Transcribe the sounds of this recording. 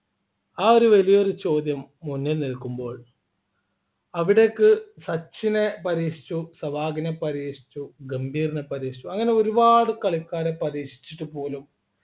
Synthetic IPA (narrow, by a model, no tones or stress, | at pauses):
aːo̞ɾuʋɐlijɐoɾut͡ɕo̞ːd̪jɐmːunːilnilkːumbo̞ːɭ | ɐʋiɽe̞kːɨsɐt͡ɕːine̞pɐɾiːʂi̥t͡ɕːusɐʋaːɡinepːɐɾiːʂi̥t͡ɕːuɡɐmbʱiːrinepːɐɾiːʂit͡ɕːuɐŋːɐne̞o̞ɾubaːɽɨkɐɭikːaːɾepɐɾiːʂi̥t͡ɕːiʈːɨpo̞ːlum